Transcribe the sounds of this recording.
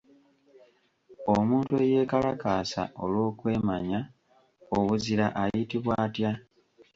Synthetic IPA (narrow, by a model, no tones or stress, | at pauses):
o̞muːntue̞je̞ːkalakaːsa̰ʔo̞lwo̞ːkwe̞ːmaɲa | oβuziɾaʔajitiβwaːtja